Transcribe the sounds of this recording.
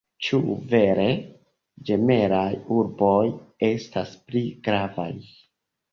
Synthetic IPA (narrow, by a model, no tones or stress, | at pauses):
t͡ʃuve̞ɾe̞ | d͡ʒe̞me̞ɾajuɾbo̞je̞staspliɡ̥ɾava̰j